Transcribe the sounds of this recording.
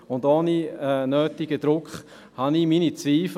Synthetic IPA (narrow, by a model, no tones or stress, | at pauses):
ʊndoniɛnøːtiɡ̥əd̪ɾʊkχ | hɑniminit͡sviːf